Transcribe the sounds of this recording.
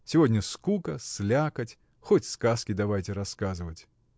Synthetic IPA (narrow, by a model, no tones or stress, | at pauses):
sʲivɔdʲnʲɐskukɐslʲakɐt͡sʲ | xɔtʲskaskʲid̪avajtʲɛɾaskazɨvɐt͡sʲ